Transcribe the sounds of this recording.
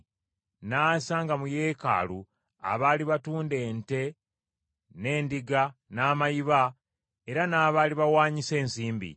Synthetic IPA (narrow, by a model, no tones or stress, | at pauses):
naːsaŋɡamuje̞ːka̰ːlu | a̰βaːliβatuːnde̞ːnte̞ | ne̞ːndiɡanaːmajiβa | e̞ɾanaːβaːliβawaːɲise̞ːnsiːmbḭ